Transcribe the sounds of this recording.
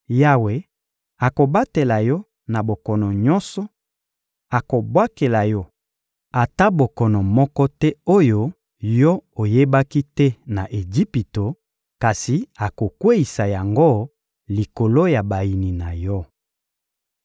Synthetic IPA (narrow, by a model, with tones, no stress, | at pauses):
ja˦we˨ | a˨ko˨ba˦te˨la˨jɔ˦ | na˨bo˨kɔ˨nɔ˨ɲɔ˦nsɔ˨ | a˨ko˨bwa˦ke˨la˨jɔ˦ | a˨ta˦bo˨kɔ˨nɔ˨mɔ˦kɔ˦tɛ˦o˦jo˦ | jɔ˦o˨je˦ba˦ki˦tɛ˦na˨ʔe˨d͡ʒi˦pi˨to˨ | ka˨si˨a˨ko˨kwe˦i˨sa˨ja˨ŋɡo˦˨ | li˨ko˨lo˦ja˨ba˨i˨ni˨na˨jɔ˦